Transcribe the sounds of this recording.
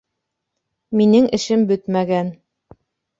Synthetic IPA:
minɘŋʔɘ̆ʃɘmbɵt̪mæɡæn

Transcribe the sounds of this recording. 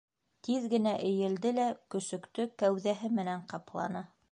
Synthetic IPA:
t̪iðɡɘ̆næʔɘ̆jɘ̆ld̪ɘlækɵ̆sɵ̆kt̪ɵkæwðæɦɘmɘ̆næɴqɑplˠɑ̰nɤ

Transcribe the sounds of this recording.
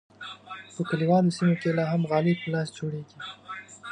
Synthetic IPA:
pəkaliwɑlosimokelɑɦamɣɑlɪpəlɑsd͡ʒoɽeɡi

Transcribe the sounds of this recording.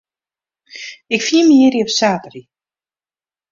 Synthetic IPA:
ɪkfiːməiɾiɔpsaːtəri

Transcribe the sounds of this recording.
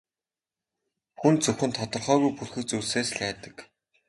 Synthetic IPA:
xunt͡sɵwxɘ̆nt̪ʰɔt̪ɞ̆rχœːɣujpurxɵ̆kt͡suɮseːsɮæːt̪ə̥̆k

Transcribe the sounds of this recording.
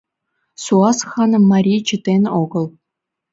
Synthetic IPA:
suɑsχɑnɤ̆mːɑɾʲit͡ɕĭt̪enʲoɡɤ̆lˠ

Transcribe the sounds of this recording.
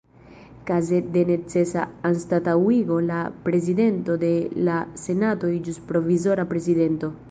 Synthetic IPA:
kaze̞de̞ne̞t͡se̞saːnstatawiɡo̞lapɾe̞zide̞nto̞de̞lase̞nato̞jd͡ʒuspɾo̞vizo̞ɾapɾe̞zide̞nto̞

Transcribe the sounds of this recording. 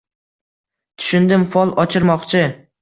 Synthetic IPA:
t̪ʰʊ̥ʃʊnd̪ɪmfɒlˠɒt͡ʃʰɪɾmɒqt͡ʃʰɪ

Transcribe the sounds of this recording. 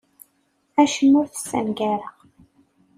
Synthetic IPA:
æʃəmːʊɾθsːæ̰nɡæɾə

